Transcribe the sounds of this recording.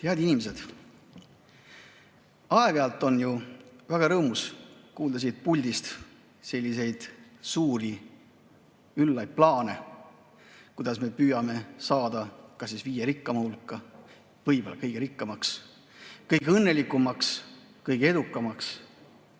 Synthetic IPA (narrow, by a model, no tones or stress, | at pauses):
t̪eɑd̪inimese̞d̪̥ | ɑeɡ̥eɑlt̪ːˑo̞njuvæɡ̥ɑɾɤːmuskuːld̪ɑs̬id̪̥̚pulʲd̪̥ist̪ | selʲːise̞jd̪̥suːɾi | ylːɑjd̪̥̚plɑːne̞ | kujd̪̥ɑsme̞pyːjɑme̞sɑːd̪̥ɑkɑsːisviːjeɾikˑːɑmɑulkːˑɑ | vɤjb̥o̞lːɑkɤjɡ̥eɾikːɑmɑks | kɤjɡeɤnːe̞likumɑks | kɤjɡ̥ee̞d̪ukˑːɑmɑks